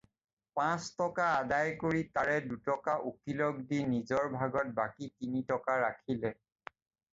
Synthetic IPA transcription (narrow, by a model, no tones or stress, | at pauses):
pãstɔkaːdajkoɹitaɹɛdutɔkaʔukilɔk̚dinizɔɹbʱaɡɔt̚bakitinitɔkaɹakʰilɛ